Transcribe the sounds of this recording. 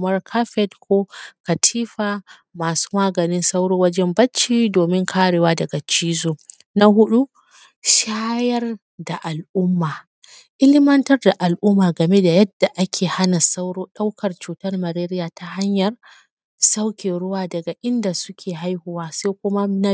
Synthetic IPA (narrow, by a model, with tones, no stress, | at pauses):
mɐ˦rkʰa˦ɸɛ˦dkʷʰo˦kɐ˨tʰiː˦ɸaː˨ | maː˨su̥˦maː˦ɡɐ˨nɪ˦nsa˦wɽoː˦wɐ˦d͡ʒɛ˦mbɐ˦t͡ʃːiː˦doː˨mɪ˦ŋkʰaː˦ɽeː˨waː˦dɐ˨ɡa˨t͡ʃiː˦zoː˨ | na˦ɦʊ˦ɗu˦ | ʃaː˦jɐ˦r | da˨ʔa˨lʔʊ˦mːaː˨ | ʔɪ˦lɪ˦mɐ˦ntɐ˦rda˨ʔa˨lʔʊ˦mːaː˨ɡɐ˨me˦da˨jɐ˦dːa˨ʔa˦kʲʰeː˨ha˦na˨sa˦wɽoː˦ɗa˦wkʰɐ˨rt͡ʃuː˨tɐ˦rmɐ˨ɾeː˦ɾɪ˦jaː˨tʰa˦ha˦ɲjɐ˨r | sa˦wkʲeː˨ɽʊ˦waː˨dɐ˨ɡa˨ʔɪ˦nda˨sʊ˦kʲʰeː˨ɦa˦jhʊ˦˨waː˦seː˦kʷʊ˦ma˦na˦